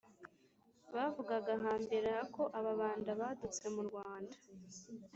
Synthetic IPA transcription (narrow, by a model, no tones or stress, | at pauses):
βavuɡaɡaɦaːmbeɾaako̞ʔaβaβaːndaβadut͡se̞muɾɡwaːndḁ